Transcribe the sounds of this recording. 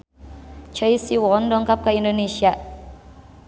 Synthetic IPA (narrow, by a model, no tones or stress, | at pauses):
t͡ʃəjsiwɔndɔŋkap̚kaindonesia